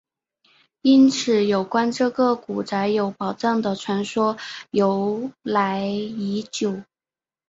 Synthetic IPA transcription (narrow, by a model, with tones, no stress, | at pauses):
i˥nt͡sʰɹ̩˨˧˩jo˨˩ʊkwa˥nʈ͡ʂɤ˥˩ɡə˩ku˨˩t͡sa˧˥ɪjo˧˥ʊpɑ˨˩ʊʈ͡ʂɤ˥˩ŋd̪ə˩ʈ͡ʂʰwa˧˥nʂwɔ˥jo˧˥ʊla˧˥ɪi˧˥t͡ɕjo˨˩˦ʊ